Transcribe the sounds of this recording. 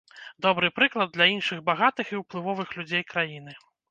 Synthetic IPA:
d̪ɔbɾɨpɾɨklˠɐd̪̚lʲɐinʂɨɣbaɣat̪ɨxiwplˠɨvɔvɨxlʲud͡zʲejkɾajin̪ɨ

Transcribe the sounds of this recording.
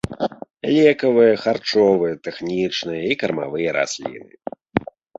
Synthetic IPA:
lʲɛkɐvɨjɐxart͡ʂɔvɨjɛt̪ɛxnʲit͡ʂnɨjɐikɐrma̰vɨjɐɾa̰sʲlʲḭnɨ̰

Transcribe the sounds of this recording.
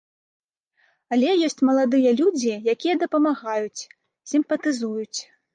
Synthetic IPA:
ɐlʲɛjɔsʲt͡sʲmɐlˠad̪ɨjɐlʲud͡zʲijakʲijɐd̪ɐpɐmaɣajut͡sʲ | sʲimpɐt̪ɨzujut͡sʲ

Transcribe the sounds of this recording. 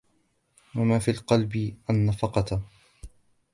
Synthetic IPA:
wamaːfiːlqɑlbɪʔanːafɑqɑt̪

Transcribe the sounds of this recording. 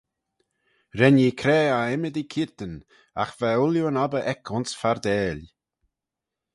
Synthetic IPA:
ɾɛniːkʰɾɛːaɛməd̪ikʰiɹt̪ən | a̰xvɛʊljuənabəʔɛkʰʊnsfaɾd̪ɛːlʲ

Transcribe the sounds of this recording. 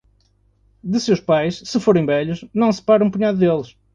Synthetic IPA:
d̪ɨsewʃpajʃsɨfoɾẽj̃βɛʎʊʃnɐ̃w̃sɨ̥paɾɐ̃w̃puɲaðuðelˠɨʃ

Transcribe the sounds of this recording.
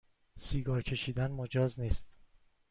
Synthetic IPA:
siːɡɒːɾcʰe̞ʃiːd̪ænmod͡ʒɒːzniːst̪

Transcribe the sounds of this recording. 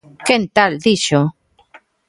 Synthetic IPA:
kent̪ald̪iʃo

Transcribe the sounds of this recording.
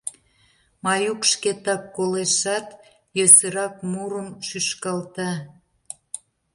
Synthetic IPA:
mɑjukʃket̪ɑkːoleʃɑt̪ | jøsə̆ɾɑk̚muɾəmʃyʃkɑlt̪ɑ

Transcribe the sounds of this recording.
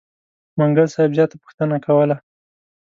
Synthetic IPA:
maŋɡəlsɑjɪbzjɑt̪apʊ̥xt̪ənakawəla

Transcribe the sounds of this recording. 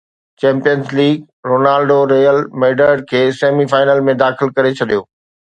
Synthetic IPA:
t͡ɕɛ̃ːmpijənzliːɡ | ɾoːnaːlɖoɾeːjəlmeːɖəɾɖkʰeːseːmifaːɪnəlmẽd̪aːxɪlkɐɾet͡ɕʰɐɗijoː

